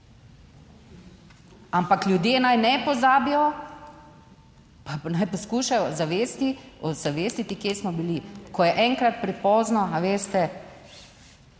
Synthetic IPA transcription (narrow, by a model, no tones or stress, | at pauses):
ampakljud̪jeːnajnɛpɔzaːbijɔ | panajpɔskuːʃajɔzaʋeːst̪iɔzaʋest̪it̪ikjeːsmɔbilikɔjɛʔɛŋkɾat̪̚pɾɛpɔːznɔaʋeːst̪ɛ